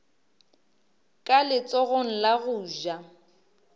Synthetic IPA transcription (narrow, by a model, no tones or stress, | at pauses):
kʼalɪt͡sʼɔɣoŋ̩laɣʊːʒa